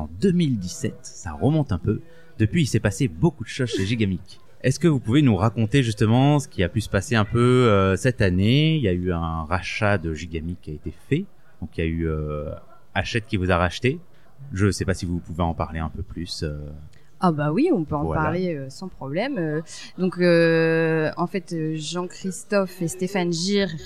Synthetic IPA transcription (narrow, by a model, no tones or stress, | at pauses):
ɑ̃d̪əmild̪isɛt̪sa̰ʁəmɔ̃t̪ɛ̃pø | d̪̥əpɥiisɛpasebokud̪əʃozʃeʒiɡamik | ɛskəvupuvenuʁakɔ̃t̪eʒyst̪əmɑ̃sə̥kʲiapysə̥paseɛ̃pøøsɛt̪aneiljayɛ̃ʁaʃad̪əʒiɡʲamikʰʲːiaet̪efɛ | d̪̥ɔ̃kiljayø | aʃɛt̪kʲivuzaʁaʃt̪e | ʒəsɛpasivupuveɑ̃paʁleɛ̃pøplysø | abawiɔ̃pøɑ̃apaʁleøsɑ̃pχɔblɛmø | d̪ɔ̃kø | ɑ̃fɛt̪øʒɑ̃kχist̪ɔfest̪efanʒiʁ